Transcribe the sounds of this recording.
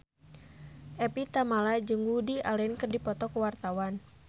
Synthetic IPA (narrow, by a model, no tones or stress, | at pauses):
ʔɛpit̪amalad͡ʒəŋɡudiʔalɛnkɨrdipɔt̪ɔkəwart̪awan